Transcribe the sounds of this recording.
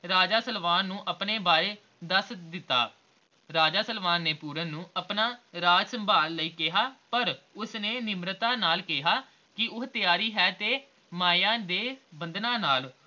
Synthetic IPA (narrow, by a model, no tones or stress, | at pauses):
ɾaːd͡ʒaːsəlʋaːnːũːʔəpneːbaːɾeː | d̪əsd̪ɪt̪ːa̰ː | ɾaːd͡ʒaːsəlʋaːnːeːpuːɾənːũːəpnaːɾaːd͡ʒsəmbʱaːlːəiːkɪɦaːpəɾʊsneːnɪmɾt̪ãːnaːlkɪɦaː | kɪʊɦt̪ɪjaːɾiːɦɛːt̪eː | maːjãːd̪eːbənd̪nãːnaːl